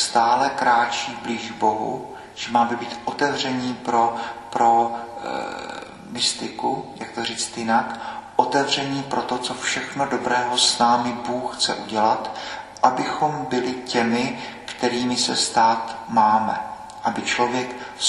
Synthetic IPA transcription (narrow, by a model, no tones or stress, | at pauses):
st̪aːlɛkɾaːt͡ʃiːbliːʒɡbo̞ɦṵ | ʒ̥ɛmaːbɛbiːt̪ʔot̪ɛvr̝ɛɲiːpɾopɾo | mɪst̪ɪkujak̚t̪oriːt͡st̪jɪnakʔot̪ɛvr̝ɛɲiːpɾot̪o̞t͡sofʃɛxnodo̞bɾɛːɦosnaːmɪbuːxxt͡sɛ̰ʔuɟɛlat̪ʔabɪxo̞mbɪlɪcɛmɪ | kt̪ɛɾiːmɪsɛst̪aːt̪maːmɛ̰ | ʔabɪt͡ʃlovjɛk